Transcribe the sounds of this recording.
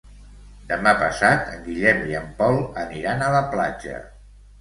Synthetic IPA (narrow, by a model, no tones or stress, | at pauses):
d̪əmapəsat̪əŋɡiʎɛmiəmpɔlˠəniɾanələpla̰d͡ʒə̰